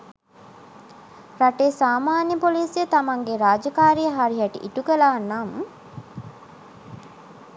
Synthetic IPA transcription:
raʈesaːmaːnjəpoliːsjət̪amaŋɡeɾaːd͡ʒəkaːɾijəɦaɾiɦæʈḭʔiʈukəlaːnːamə

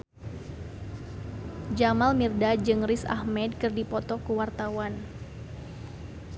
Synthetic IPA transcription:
d͡ʒamalmirdad͡ʒɨŋrisa̰hmɛd̚kɨrdipɔt̪ɔkəwart̪awan

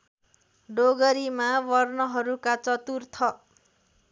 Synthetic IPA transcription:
ɖoɡʌɾimawʌrnʌɦʌɾukat͡sʌt̪urt̪ʰʌ

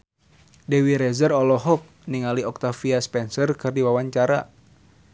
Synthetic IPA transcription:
dɛwiɾɛzərɔlɔɦɔp̚niŋaliɔk̚t̪afiaspɛnsərkɨrdiwawaɲt͡ʃaɾa̰

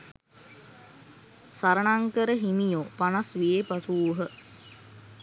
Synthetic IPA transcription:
saɾənaŋkəɾəɦimijopanasʋijepasuːɦə

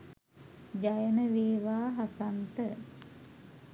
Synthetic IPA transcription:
d͡ʑajənəʋeːʋaːɦasant̪ə

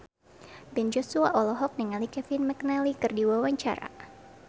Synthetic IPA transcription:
bɛnd͡ʒɔsuaʔɔlɔɦɔk̚niŋalikɛfɪnmɛknalikɨrdiwawaɲt͡ʃa̰ɾa̰

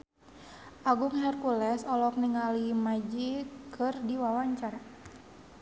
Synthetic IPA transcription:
ʔaɡuŋɦɛrkulɛsɔlɔk̚niŋalimad͡ʒikʰɨrdiwawaɲt͡ʃar

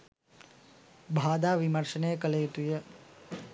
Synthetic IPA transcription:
bʱaːd̪aʋiməɾʃənekəlejut̪uje

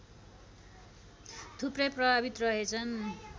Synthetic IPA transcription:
t̪ʰuprʌjprʌbabit̪rʌɦet͡sʰʌn

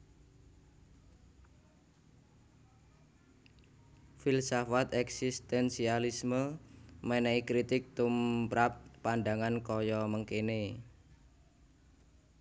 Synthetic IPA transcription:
filsɔfat̪ɛksist̪ɛnsialisməmɛnɛikɾit̪ɪk̚t̪umpɾap̚ːandaŋankɔjɔməŋkene

